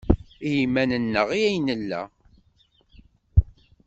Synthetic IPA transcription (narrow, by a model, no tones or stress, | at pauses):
ijimːænənːəʁijæjnəlːæ̰